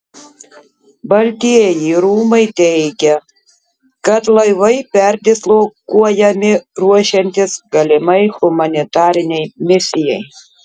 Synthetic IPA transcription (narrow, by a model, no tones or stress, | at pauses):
bɐlʲt̪ʲijiɾuːmɐɪt̪ʲɛɪɡʲɛ | kɐt̪lˠɐɪʋɐɪpʲɛɾʲd̪ʲɪslˠokuɔjɛmʲɪɾuɔʃʲɛnʲt̪ʲɪsɡɐlʲɪmɐɪɣʊmɐnʲɪt̪ɑːɾʲɪnʲɛɪmʲɪsʲɪjɛɪ